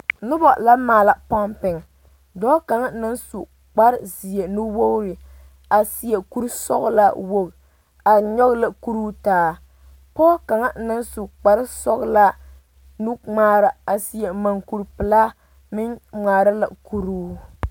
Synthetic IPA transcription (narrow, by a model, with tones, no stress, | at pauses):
nʊ˦bɔ˨la˦maː˨la˨pɔ˦mpɪ˨ŋ˨ | dɔː˦ka˨ŋa˦na˦nsu˨ | k͡pa˦ɾzi˨e˨nu˦wo˦ɾɪ˨ | a˨si˨je˨ku˦ɾsɔ̰˦ɣla˦wo˦ɣ | a˨ɲɔ˦ɣla˨ku˦ɾuː˦taː˨˦ | pɔ˦ka˨ŋa˦na˦nsu˨k͡pa˨ɾɪ˦sɔ˦ɣla˦ | nu˦ŋ͡maː˦ɾa˨a˨si˨je˨ma˨ŋku˨ɾpɨ˨laː˦ | mɪ˦ŋ͡maː˨ɾa˦la̰˨ku˦ɾuː˦